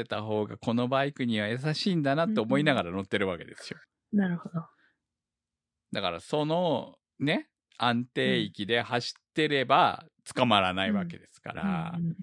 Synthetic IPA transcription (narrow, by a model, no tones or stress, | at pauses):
e̞t̪aɦo̞ːɡako̞no̞baikɯ̟ɲ̟iβ̞ajas̬aɕiːnd̪anat̪ːe̞ːmo̞inaɡaɾano̞t̪ːe̞ɾɯ̟βake̞d̪e̞sɨ̥jo̞ | naɾɯ̟hod̪o | d̪akaɾa̰so̞no̞ | ne̞ | ãnt̪e̞ːikʲid̪e̞haɕi̥t̪ːe̞ɾe̞bat͡sɨ̥kamaɾanaiβake̞d̪e̞sɨ̥ka̰ɾa̰